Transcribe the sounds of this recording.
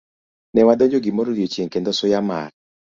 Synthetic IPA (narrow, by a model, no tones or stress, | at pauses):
nɛwad̪ɔɲd͡ʒoɡimɔɾoɾjot͡ʃjeŋkend̪ɔsʊjama̰r